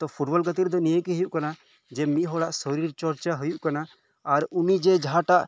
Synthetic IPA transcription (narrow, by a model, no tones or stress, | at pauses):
t̪ɔpʰuʈbɔlɡət̪iɾd̪ɔnijekiɦəjuʔkana | d͡ʒɛmiʔɦɔɽaʔsɔɾiɾt͡ʃɔɾt͡ʃaɦujuʔkanaː | ɾunid͡ʒɛd͡ʒʱaʈaʔ